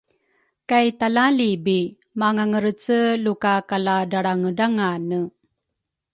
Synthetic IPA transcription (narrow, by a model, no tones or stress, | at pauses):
kajtalalibi | maŋaŋəɾət͡səlukakaladaɽaŋədaŋanə